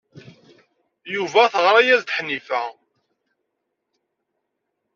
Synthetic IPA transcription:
juvæθəʁɾˤæjæzt̪ə̥ħnifæ

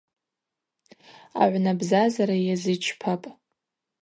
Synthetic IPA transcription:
a̰ʕʷnabzazaɾajazɨt͡ʃʰpʰapʼ

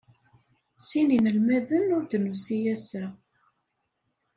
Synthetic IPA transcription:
sininəlmæðənʊɾd̪nusijæsæ

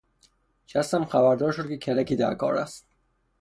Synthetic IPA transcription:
ʃæst̪æmxæbæɾd̪ɒːɾʃod̪̚kʲcʰecʰælæciːd̪æ̰ɾkʰɒ̰ːɾæ̰st̪

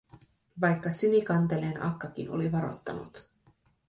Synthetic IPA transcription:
ʋɑjkːɑsinikɑnt̪eleːnʔɑ̰kːɑk̟ino̞̰liʋɑɾo̞̰t̪ːɑ̰nṵt̪

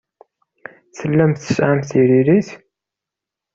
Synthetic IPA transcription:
θəlːæmθə̥sʕamθiɾiɾiθ

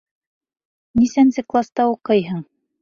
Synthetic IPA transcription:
nisænsɘklˠast̪ɑuqɤjɦɤɴ

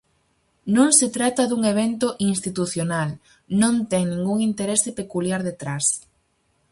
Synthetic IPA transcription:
nõŋset̪ɾat̪ɐðuŋeβ̞ent̪oʔinst̪it̪uθjonal | nõnt̪ɛŋnĩŋɡuŋint̪eɾesepekuljaɾðet̪ɾas

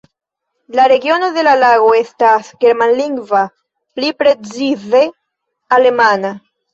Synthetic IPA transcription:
laɾe̞ɡio̞no̞de̞lalaɡo̞e̞stasɡe̞ɾmanliŋɡva | plipɾe̞t͡size̞ | ale̞mana

